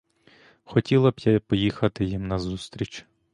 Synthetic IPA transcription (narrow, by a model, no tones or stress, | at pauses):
xɔtʲilˠɐbjɐpɔjixɐt̪ɪjimnɐzust̪ɾʲit͡ʃ